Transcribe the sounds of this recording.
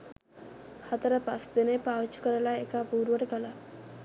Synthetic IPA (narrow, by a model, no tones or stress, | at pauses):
hat̪əɾəpasd̪enepaːʋit͡ʃːu̥kəɾəlaekapuːɾʋəʈekəla